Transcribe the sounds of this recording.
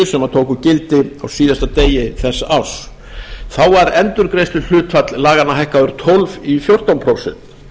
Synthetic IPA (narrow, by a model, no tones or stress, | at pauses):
ɪ̥sɛmaðt̪ʰoːwkʏcɪlt̪ɪawsiːðast̪at̪eːjɪθɛsːaaws | θawaɾɛnt̪ʏɾkɾejst̪ʏl̥ʏːt̪fat̪llaːɣanːaɦajhkaʏɾ̥t̪ʰɔlvifjowr̥t̪awnpʰɾowsɛ̰n̥t̪